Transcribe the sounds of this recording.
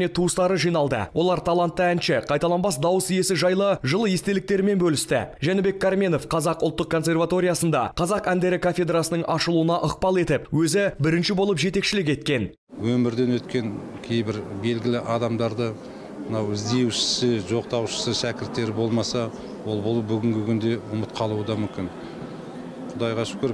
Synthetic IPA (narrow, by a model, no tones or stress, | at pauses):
ne̞t̪ʰuəst̪ɑɾəʒijnɑlˠd̪ə̰wʔo̞lˠɑɾt̪ʰɑlˠɑnt̪ːəænʃɪqʰɑjt̪ɑlˠɑnbɑsd̪ɑwəsije̞sɪʒɑjlˠəʒəlˠəje̞st̪e̞lɪk̚t̪e̞ɾɪme̞nbɵlɪst̪ɪ̰ʒænɪbe̞kʰːaɾmʲe̞no̞fqʰɑzɑqʊlˠt̪ːəq̚kʰːo̞ns̬ʲe̞rvat̪o̞ɾʲijasənd̪ɑ̰qʰɑzɑqænd̪e̞ɾɪkʰafʲe̞d̪rasənəɴʔɑʃəlˠuənɑʔəq̚pɑlˠe̞t̪ɪpwɵzɪbɪɾɪnʃɪbo̞lˠəpʒe̞t̪e̞kʃɪlɪk̬e̞t̪̚kʲe̞n | wɵmɪɾd̪e̞nwɵt̪kʲe̞ŋkʲʰejbɪɾbe̞lɡʲɪlɪʔɑd̪ɑmd̪ɑɾd̪ə | mənɑwɪzd̪e̞wʃɪ̥sɪʒo̞qt̪ɑwʃə̥səʃækʲɪɾt̪ːe̞ɾɪbo̞lˠmɑsɑ | wo̞lˠbolˠəbʏɡʲɪŋɡʲɪkʲʰʏnd̪e̞ʊmət̪qʰɑlˠuəd̪ɑmʏmkʲɪn | qʰʊd̪ɑjʁɑʃɪ̥pkʲʰɵɾ